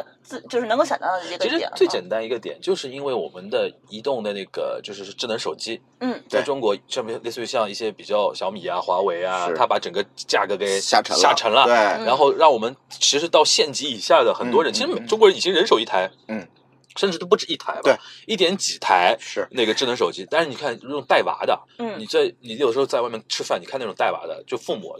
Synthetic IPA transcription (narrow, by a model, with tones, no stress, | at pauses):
t͡s̩˥˩t͡ɕjo˥˧ʊʂɻ̩˥˩n˧ŋko˥˧ʊɕɑ̰˨˩t̪ɑ˥˩˥t͡ɕi˧˥ʂɻ̩̰˧˥˨t͡swe˥˩t͡ɕjɛ˨˩nt̪a˥ni˧˥ɡə˧t̪jɛ̰˨˩˦nt͡ɕjo˥˧ʊʂɻ̩˥˩i˥nwe˥˩ɪwɔ̰˨˩mə˦nd̪ə˧i˧˥t̪ʊ˥˩ŋd̪ə˩na˥˩ɡə̰˩t͡ɕjo˥˧ʊʂɻ̩˥˩˥ʈ͡ʂɻ̩˥˩nə˧˥ŋʂo˨˩ʊt͡ɕi˥ | n̩˥˩t͡sa˥˧ɪʈ͡ʂʊ˥ŋkwɔ˧˥ʂə˥˩˥le˥˧sɕjɑ˥˧ŋi˥˩ɕjɛ˥pi˨˩t͡ɕjɑ˥˩ʊɕjɑ˧˥ʊmi˨˩a˦xwa˧˥we˧˥ɪa˧˥˩tʰa˥pa˧˥ʈ͡ʂə˨˩ŋɡə˦t͡ɕja˥˩ɡɤ˧˥ke˨˩ɪɕa̰˥˩ʈ͡ʂʰə̰˧˥a̰˥˩˧ʈ͡ʂʰə˧˥ŋlɐ˧e˧ɻa˧˥nxo˥˧ʊɻɑ˥˩ŋwɔ˨˩mə˦nt͡ɕʰɻ̩˧˥ʂɻ̩˧˥t̪ɑ˥˧ʊɕjɛ˥˩nt͡ɕi˧˥i˨˩ɕja˥˩d̪ə˩xə˨˩nt̪wɔ˥ɻə˧˥nt͡ɕʰi˧˥ʂɻ̩˧˥me˨˩ɪʈ͡ʂʊ˥ŋkwə˧˥ni˨˩t͡ɕi˥ɻə˧˥nʂo˨˩ʊi˥˩t̪ʰa˧˥ɪ˥˩ | ʂə˥˧ʈ͡ʂɻ̩˥t̪o˥p̬u˧ʈ͡ʂɻ̩˥˧i˥˩t̪ʰa̰˧˥ɪbi˥˩t̪̬jɛ˧˥nt͡ɕi˨˩t̪ʰa˧˥ɪ˧˩ne˥˩ɡə˩˧ʈ͡ʂɻ̩˥˩nə˧˥ŋʂ̬o˨˩ʊt͡ɕi˥t̪a˥˧nʂɻ̩˥˩ni˨˩kʰa˥˩n˨˧˥ʈ͡ʂʊ˨˩ŋ˦t̪a˥˩ɪwa̰˧˥d̪ə̰˧ni˨˩t͡sa˥˩ɪni˨˩jdə˦ʂɻxt͡swmʲjɛ˥nʈ͡ʂʰɻ̩˥˧fa˥˩ni˨˩kʰn˥˩ʊ˨˩ŋt̪a˥˩ɪwa̰˧˥d̪ə̰˧t͡ɕjo˥˧ʊfu˥˩mṵ˨˩˦